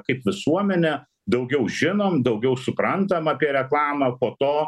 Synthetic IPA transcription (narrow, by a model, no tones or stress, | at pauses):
kɐɪpʋʲɪsuɔmʲɛnʲɛ | d̪ɐʊɡʲɛʊʒʲɪnoːmd̪ɐʊɡʲɛʊsʊpɾɐnt̪ɐmɑːpʲiɛɾʲɛklˠɑːmɐːpoːt̪oː